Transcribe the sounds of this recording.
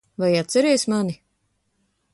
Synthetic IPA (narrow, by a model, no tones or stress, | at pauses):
vajat̪sɛɾɛjsmani